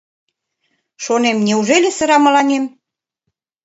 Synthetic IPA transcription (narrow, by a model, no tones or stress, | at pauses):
ʃonemnʲeuʒelʲĕsə̆ɾɑmɤ̆lɑnʲem